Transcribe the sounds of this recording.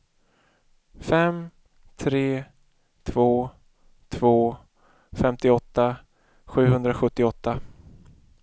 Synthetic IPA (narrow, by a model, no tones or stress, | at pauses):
fɛm | t̪ʰɾeː | t̪ʰv̥oː | t̪ʰv̥oː | fɛmt̪ɪɔt̪ːa | ɧʉ̟ːɦɵnd̪ɾaɧɵt̪ːɪɔt̪ːa